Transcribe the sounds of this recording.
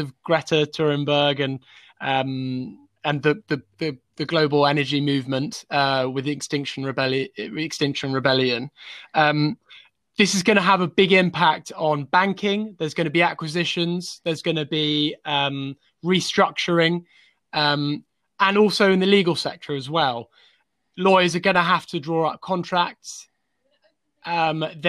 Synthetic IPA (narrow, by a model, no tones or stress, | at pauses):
əvɡ̥ɹɛtʰətʰɔɹɪ̃mbəːɡə̃n | ʌ̃m | ə̃nðəðəðəðəɡləʊbəlɛnəd͡ʒimʉːvmə̃ntʌwɪðɪkstɪ̃ŋkʃə̃nɹɪbɛlɪkstɪ̃ŋkʃə̃nɹɪbɛljə̃nʌ̃m | ðɪsɪzɡʌñəəvəbɪɡɪ̃mpʰak̚tn̩bãŋkʰɪ̃ŋðəzɡʌnəbiakwɪzɪʃə̃nz̥ðəzɡʌnəbiʌ̃m | ɹistɹ̥ʌk̚t͡ʃəɹɪ̃ŋ | ʌ̃m | ə̃nɔˑlˠsəʊɪ̃nðəliːɡəlˠsɛ̰k̚tʰəɹəzwɛlˠ | lɔɪəzəɡʌnəɦaftʰədɹɔːɹʌp̚kʰɒ̃ntʰɹ̥ak̚ts | ʔʌmð